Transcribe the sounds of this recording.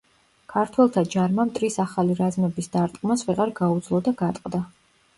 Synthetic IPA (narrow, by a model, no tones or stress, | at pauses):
kʰaɾt̪ʰwɛlˠt̪ʰad͡ʒaɾmamt̪ʼɾisaχaliɾazmɛbisd̪aɾt̪ʼkʼmasvɛʁaɾɡaud̪zlˠɔd̪aɡat̪ʼqʼd̪a